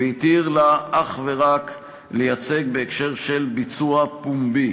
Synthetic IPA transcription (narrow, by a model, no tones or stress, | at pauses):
eit̪iʁlaʔaχve̞ʁak | lejat͡se̞ɡ̚be̞ekʃe̞ʁʃe̞lbit͡suapumbi